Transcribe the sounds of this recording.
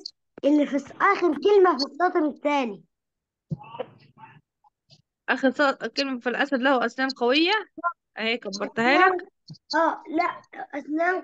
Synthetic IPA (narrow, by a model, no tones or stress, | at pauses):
ʔɪlːifisʔæːxeɾkelmæfisːɑːt̪ˤeɾɪt̪ːæːni | ʔæːxeɾsˤɑt̪kelmæfilʔæsæd̪læhuʔæsnæːmqɑwejːæʔæheːkæbːɑɾˤt̪hæːlæk | ʔæːlæʔʔæsnæːm